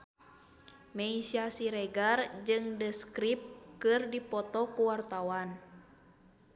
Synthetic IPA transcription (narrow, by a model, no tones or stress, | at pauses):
mɛisiasiɾɛɡard͡ʒɨŋdəskɾip̚kɨrdipɔt̪ɔkuwart̪awan